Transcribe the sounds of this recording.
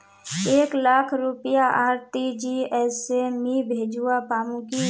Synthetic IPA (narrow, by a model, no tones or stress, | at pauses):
eːklaːkʰɾupəjaʔaːɾt̪id͡ʒiɛsemibʱeːd͡ʒuapaːmũki